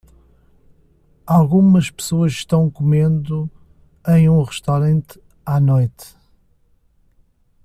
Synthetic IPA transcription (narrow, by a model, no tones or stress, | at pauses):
alˠɣumɐʃpɨ̥soɐʃʃt̪ɐ̃w̃kumẽnd̪u | ɐ̃j̃ũʁɨʃt̪awɾɐ̃nt̪ | anojt̪